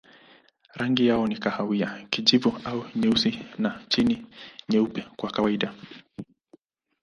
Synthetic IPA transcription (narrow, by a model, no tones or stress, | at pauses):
ɾaŋɡijaɔnikahawiakiʄivuauɲɛusinat͡ʃiniɲɛupɛkwakawaiɗa